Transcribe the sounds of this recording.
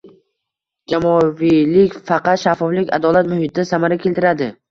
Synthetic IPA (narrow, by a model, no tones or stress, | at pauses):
d͡ʒamɒvilɪkʲfɑqɑt̪ʃafːɒflɪkʲa̰d̪ɒlat̪mʊhɪt̪̚ʰɪd̪asamaɾakʲʰe̞lt̪ɪɾad̪ɪ